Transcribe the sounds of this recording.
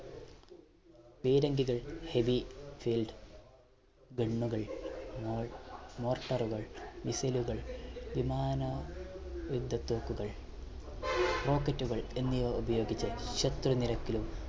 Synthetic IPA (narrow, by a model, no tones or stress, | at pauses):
piːɾɐŋɡiɣɐɭheʋifilɖɨ | ɡeɳːuɣɐɭmomo̞ːrʈːɐruɣɐɭʋisɐluɣɐɭʋimaːnɐ | ʋud̪ʱːɐt̪ːoːkːuɣɐɭ | ro̞ːkːɐtːuɣɐɭe̞nːijʋɐubɐjo̞ːɡit͡ɕːɐɕɐt̪rɐniɾɐkːilum